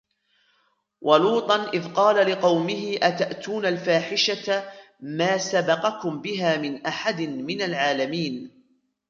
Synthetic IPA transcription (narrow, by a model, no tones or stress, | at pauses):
wʔɑluːt̪ˤɑnʔɪðqɑːlalɪqɑwmɪhɪʔat̪aʔt̪uːnalfaːħɪʃa | maːsabɑqɑkʊmbɪɦaːmɪnʔaħad̪ɪnmɪnalʕaːlamiːn